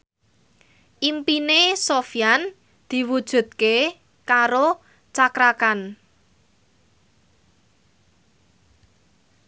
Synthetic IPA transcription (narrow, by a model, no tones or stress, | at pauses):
ʔimpinesofjan | d̪̥i̤wud̥ʒ̥ṳt̪̚ke | kaɾo | t͡ʃakɾakan